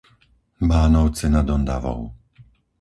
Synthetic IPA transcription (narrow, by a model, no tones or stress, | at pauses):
baːnɔʊt͡sɛnad̪ɔnd̪a̰ʋɔ̰ʊ